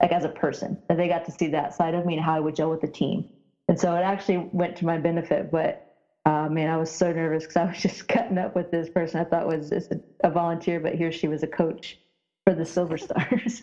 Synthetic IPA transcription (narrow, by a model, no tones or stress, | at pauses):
lʔaɪkɨzəpʰɜ˞sɨ̰̃nðɨ̃n̚ðeɪɡɑtʰɨsiðɨtsoʊaɪɾõʊ̃nmĩnɦaʊɨt̚wɨd̚d͡ʒɛlˠwəðɨtʰḭ̃m | ɨ̃nsoʊəɾæk̚t͡ʃʉl̩ˠiwɛ̃ntʰɨmaɪbɛnɨfɪ̰t̚b̥ʌt̚ | ʌmæ̃naɪwʌz̥soʊnɜ˞vɨskʰʌzaɪwʌz̥d͡ʒʌskʰʌɾɪ̃ŋʌpwɨðɪspʰɜ˞sɨ̃naɪθɔɾə̰ʔwʌzɪ̰sʔəvɑlˠə̃ntʰɪɹbʌ̰ʔ̚hiɹʃiwʌzɨkʰoʊt͡ʃ | fə˞ðɨsɪlˠvə˞stɑ̰ɹz̥